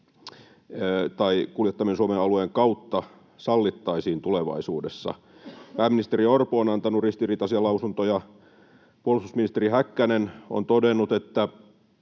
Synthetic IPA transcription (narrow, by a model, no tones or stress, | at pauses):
t̪ɑikuljet̪ːɑminsuomeɑlueːŋkɑut̪ːɑ | sɑlːit̪ːɑisiːnt̪uleʋɑ̰isuːdesːɑ̰ | pæːmːinist̪eriorpuonɑnt̪ɑnurist̪iriːt̪ɑsiɑlɑusunt̪ojɑ | puolususminist̪erihækːæneno̰nt̪odenːut̪et̪ːæ